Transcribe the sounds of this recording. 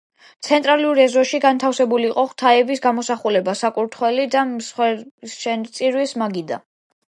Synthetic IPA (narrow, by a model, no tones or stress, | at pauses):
t̪sʰɛnt̪ʼɾaluɾɛzɔʃiɡant̪ʰafsɛbuliːqʼɔχt̪ʰaɛbisɡamɔsaχulɛbasakʼuɾt̪ʰχwɛlid̪asχwɛʃɛt̪sʼiɾwismaɡid̪a